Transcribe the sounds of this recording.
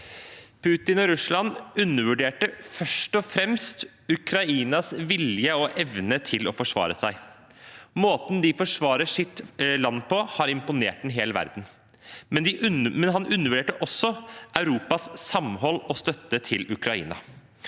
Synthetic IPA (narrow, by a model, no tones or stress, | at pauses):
pʰʉːt̪ɪnɔɾʉslɑnʉnːəʋʉɖeːʈəfœʂʈɔfɾɛmst̪ | ʉkʰɾɑiːnɑsʋɪljəɔʔɛʋnət̪ʰɪlɔfɔʂʋɑ̰ːɾəsæɪ | moːt̪nd̪ɪfɔʂʋɑːɾəʂɪt̪lɑnːpʰɔhɑɾɪmpʊneːʈ̚d̪ɛnɦeːləʋæ̰ɾd̪n̩ | mɛnd̪ɪʔʉnmɛnɦɑnʉnːəʋʉɖeːʈəʔɔsːɔʔɑʉɾuːpɑssɑmhɔlːɔst̪œt̪ːət̪ʰɪlʉkʰɾɑḭːnɑ̰